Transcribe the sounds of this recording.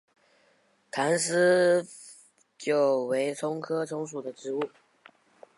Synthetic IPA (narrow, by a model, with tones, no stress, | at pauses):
t̪ʰa˧˥nsɹ̩˥ | t͡ɕjo˥˩ʊwe˧˥ɪt͡sʰʊ˥ŋkʰɤ˥t͡sʰʊ˧˥ŋʂ̬u˨˩d̪ə˦ʈ͡ʂɻ̩˧˥u˥˩